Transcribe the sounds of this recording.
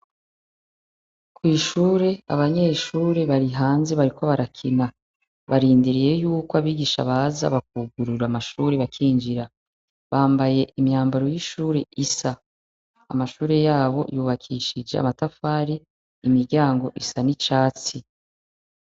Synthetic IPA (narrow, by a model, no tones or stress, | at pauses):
kwiːʃuːɾe̞a̰βaɲe̞ːʃuːɾe̞βaɾiɦaːnze̞βaɾiko̞βaɾakʰina | βaɾiːndiɾije̞juːkoaβiːɡiʃa̰βaza̰βak̚uɡuɾuɾamaʃuːɾeβakʰiːɲd͡ʒiɾa | βaːmbaje̞ʔimɲaːmbaɾo̞jiʃuːɾe̞isa̰ː | maʃuːɾe̞jaːβo̞̰juːβakʰiːʃid͡ʒea̰matafaːɾiː | miɾɟaːŋɡo̞ʔisanit͡ʃaːt͡si